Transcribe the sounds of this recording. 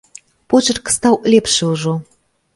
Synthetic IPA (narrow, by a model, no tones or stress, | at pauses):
pot͡ɕɤ̆rkə̥̆st̪ɑwlʲepʃeuʒo